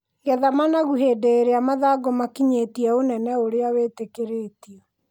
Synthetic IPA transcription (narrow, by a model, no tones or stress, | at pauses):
ŋɡɛðamanaɣuɦeːdeːɾeamaðaɡomakiɲetiɛonɛnɛoɾeawetekeɾeːtiɛ